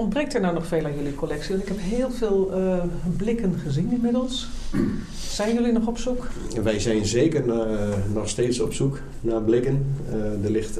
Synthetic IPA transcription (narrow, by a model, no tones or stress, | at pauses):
ɔnbrek̚tənawnɔxfeːlˠaːnjølikʰolɛksiɔntɪkɦɛpɦɪːlˠveːlˠ | blɪkənχəzininmɪdəlˠs | sɛjnjølinɔχɔpsuk | ʋɛjzɛjnzeːkərnɔxsteːtsɔpsuk | naːblɪkəndərlɪxt